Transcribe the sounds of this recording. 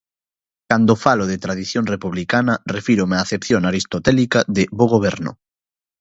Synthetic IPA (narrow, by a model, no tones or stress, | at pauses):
kand̪ofaloðet̪ɾað̞iθjoŋrepuβlikanɐrefiɾomaːθepθjoŋaɾist̪ot̪ɛlikaðɪβoɣoβ̞ɛɾnʊ̰